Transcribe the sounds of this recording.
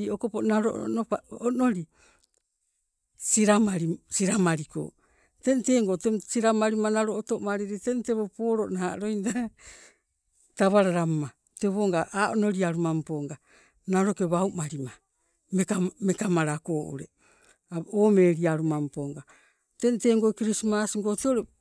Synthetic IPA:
iokoponaɾo̰nopaono̞ɾi | siɾamaɾisiɾamaɾiko̰ | tente̞ːŋɡotesiɾamaɾimanaɾoːtomaɾiɾitenteβopo̞ːɾoʔnaaɾojnda | taβaɾaɾamːa | teβoːŋɡaʔaːʔono̞ɾiaɾumampoŋɡa | naɾokeβaumaɾima | mekamekamaɾako̞ːʔṵɾḛ | aoːmeɾiaɾumampoŋɡa | tenteŋɡokiɾismasiŋɡoteoɾe

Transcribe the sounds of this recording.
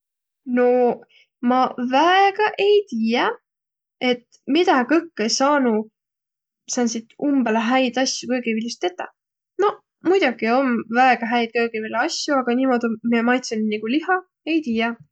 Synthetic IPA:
no̞ | mɑvæeɡ̥ɑʔe̞jt̪iːjɑ | e̞t̪ | mid̪̥ɑkɤkˑːejsɑːnu | sɑːnsit̪umbeleɦæjd̪̥ɑsːjukɤɡ̥ivilʲːist̪et̪ːˑɑ | no̞ | mujd̪uɡ̥io̞mvæeɡ̥ɑɦæjd̪̚kɤɡ̥ivilɑsʲjuɑɡ̥ɑniːmo̞d̪̥ʲomiemɑjt̪senniɡ̥uliɦɑ | e̞jt̪iːjɑ

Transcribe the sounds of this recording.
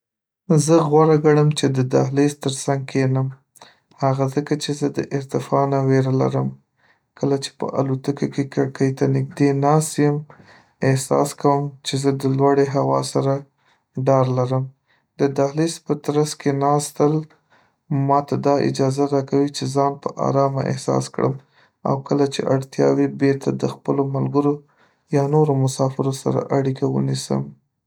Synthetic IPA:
zəɣwaɾaɡaɽəmt͡ʃed̪əd̪a̰ɦlist̪əɾsaŋɡ̚kʰenəm | haɣazəkat͡ʃezəd̪əʔɪɾt̪ɪfɑnaweɾala̰ɾəm | kəlat͡ʃe̥pə̰ʔa̰lot̪əkokekaɽkəjt̪anɪɡ̚d̪enɑst̪jəm | ehsɑ̰skawəmt͡ʃezəd̪əlwaɽeɦawɑ̰saɾa | ɖɑɾlaɾəm | d̪əd̪alispət̪ɾaskenɑst̪əl | mɑt̪ad̪ɑɪ̰d͡ʒɑzaɾɑkawit͡ʃezɑnpəʔa̰ɾɑma̰ʔḛhsɑ̰skɽə̰m | a̰wkəlat͡ʃḛʔaɽt̪jɑ̰webeɾt̪ʰad̪əxpəlomalɡəɾo | jɑnoɾomʊsɑfɪɾosa̰ɾa̰ʔaɽikʰawə̰nisə̰m

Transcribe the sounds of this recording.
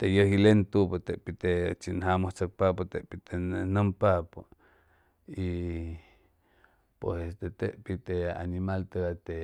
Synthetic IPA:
t̪ejəhilent̪upot̪eʔpit̪et͡ʃinɦamoht͡sak̚papot̪eʔpit̪ennəmpapo | i | pesest̪et̪eʔpit̪ea̰nimalt̪eɡat̪e

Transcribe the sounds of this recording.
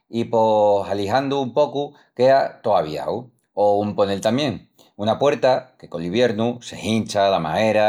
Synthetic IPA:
ipo̞saliɦand̪uːmpo̞ku | ke̞at̪o̞aβḭa̰w | oumpo̞ne̞lt̪amje̞ŋ | unapwe̞ɾt̪ake̞ko̞liβje̞ɾnuse̞hint͡ʃalama̰e̞ɾa

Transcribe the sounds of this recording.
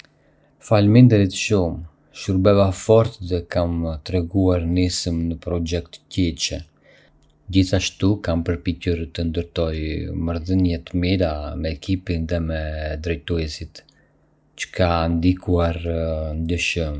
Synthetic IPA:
falmind̪ɛɾit̪ʃum | ʃuɾbɛvafɔɾt̪ðɛkamt̪ɾɛɡuaɾnisəmnəpɾɔd͡ʒɛkt̪cɛt͡ʃɛ | d͡ʑiθaʃt̪ukampəɾpicəɾt̪ənd̪əɾt̪ɔjməɾðənjɛt̪əmiɾamɛːkʰipinðɛmɛd̪ɾɛjt̪uɛsit̪ | t͡ʃə̥kʰand̪ikuaɾnd̪əʃəm

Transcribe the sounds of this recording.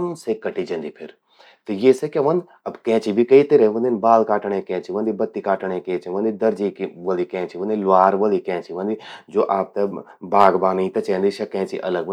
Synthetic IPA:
nsekːɐʈid͡ʒɐ̃nd̪ipʰɪɾ | t̪ɐjeːsekeʋɐnd̪ | ɐbkɛ̃ːt͡ʃibʱikɐit̪eɾeʋɐ̃nd̪inbaːlkaːʈɳẽkɛ̃ːt͡ʃiʋɐ̃nd̪ibɐt̪ːikaːʈɳ̃ẽkẽːt͡ʃiʋɐnd̪id̪ɐɾd͡ʒikʋəlikɛ̃ːt͡ʃiʋɐ̃nd̪ilʋaːɾʋɐlikɛ̃ːt͡ʃiʋɐ̃nd̪id͡ʒoːʔaːp̚t̪ɐbaːɡbaːnit̪ɐt͡ʃɛ̃ːnd̪iʃɐkɛ̃ːt͡ʃḭʔɐ̰ləɡʋ

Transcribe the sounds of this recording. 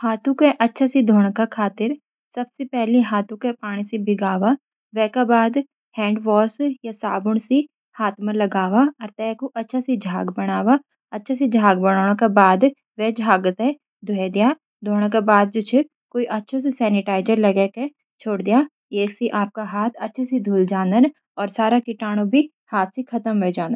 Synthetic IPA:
haːt̪ʰũkeʔɐtːʃʰasid̪ʱoːɽ̃kakʰaːt̪ɪɾ | sɐbsepɛɦliɦaːt̪ʰũkepaːɽ̃isebʱɪɡaːʋa | ʋɛːkabaːd̪ | hɛ̃ːɳɖʋɔːɾsjasaːbʊɽ̃si | haːt̪ʰməɾlɐɡaːʋaɐɾt̪ɛːkoʔɐtːʃʰasid͡ʒʱaːɡbɐɽ̃aːʋa | ɐtːʃʰased͡ʒʱaːɡ̚bɐɽ̃aːɽ̃õkabaːd̪ | ʋɛd͡ʒʱaːɡt̪ɦɛ̃ | d̪ʱʊɦɛd̪ijaː | d̪ʱoːɽ̃ãkabaːd̪̚d͡ʒʊt͡ʃʰe | koːiʔɐtːʃʰõs̬esɛːnɪʈaːɪd͡ʒəɾlɐɡeke | t͡ʃʰoːɽd̪ijaː | eːksiʔaːp̚kaɦaːt̪ʰɐtːʃʰasid̪ʱuːld͡ʒaːnd̪ən | ɔːɾsaːɾakɪʈaːɽ̃obʱi | haːt̪̚ʰsikʰɐt̪əmʋɛd͡ʒãːnd̪ə

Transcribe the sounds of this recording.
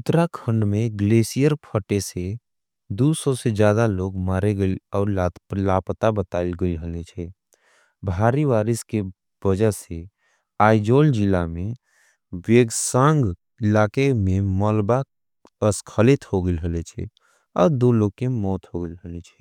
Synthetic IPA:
ʊt̪ɾakʰə̃ɳɖmẽɡleːsijəɾpʰəʈese | d̪usɔsed͡ʒjaːd̪aloːɡmaːɾeɡəiɔːɾlat̪plaːpt̪abət̪aːɪlɡəiɦəlet͡ʃʰɛ | bʱaːɾiʋaːɾɪske | b̥əd͡ʒəse | aːid͡ʒoːld͡ʒɪlamẽ | ʋeːɡsãːŋɡ | ɪlaːkemẽmɔlba | əskʰəlɪt̪hoɡəilɦəlet͡ʃʰɛ̰ | ɔːɾd̪oloːɡ̚kemɔːt̪ɦoɡəɪlɦəlet͡ʃʰɛ̥

